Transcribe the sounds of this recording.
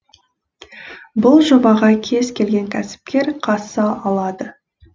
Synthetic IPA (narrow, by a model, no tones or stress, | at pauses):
bʊlˠʒo̞mɑʁɑkʲʰe̞zkʲʰe̞lɡʲe̞ŋkʲʰæsɪ̥p̚kʲe̞ɾqʰɑsɑʔɑlˠɑd̪ə